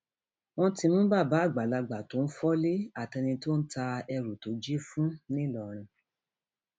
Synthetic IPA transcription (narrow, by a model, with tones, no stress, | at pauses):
w̃ɔ̃˦ti˧mũ˦ba˦˨ba˨˦˨ɡ͡ba˨la˧ɡ͡ba˨to˨˦n̩˦fɔ˦le˦a˦˨tɛ˧nĩ˧to˦n̩˦ta˧ɛ˧ɾu˨to˨˦d͡ʒi˦fũ˦nĩ˦˨lɔ˨ɾ̃ĩ˧